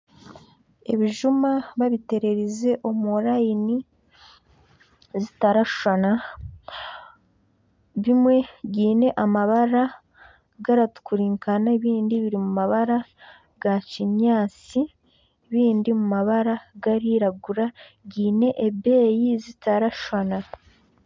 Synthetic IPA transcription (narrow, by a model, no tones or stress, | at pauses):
e̞̰βiʒumaβaβite̞ɾe̞ɾize̞ʔo̞muɾaini | zitaɾaʃu̥ʃana | βimwe̞ɟiːne̞ʔamaβaɾa | ɡaɾatu̥kuɾiːŋkanaeβiːndiβiɾimumaβaɾa | ɡaciɲaːt͡si | βiːndimumaβaɾaɡaɾiɾaɡuɾa | ɟiːne̞ʔebe̞ːjizitaɾaʃʃana